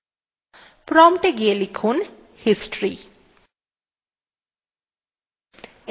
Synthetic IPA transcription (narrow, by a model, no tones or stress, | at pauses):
pɾɔmʈeɡielikʰun | hisʈɾi